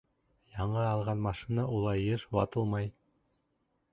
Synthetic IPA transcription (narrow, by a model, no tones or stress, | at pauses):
jɑɴɑɑlˠʁɑnmɑʃinɑʔulˠɑjːɤʃwɑt̪ɤlˠmɑj